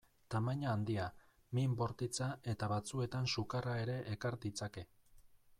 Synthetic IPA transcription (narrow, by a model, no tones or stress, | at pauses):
t̪amaɲaːnd̪ia | mimbo̞ɾt̪it͡sae̞t̪aβat͡sue̞t̪ansukarae̞ɾe̞ʔːkaɾd̪it͡sake̞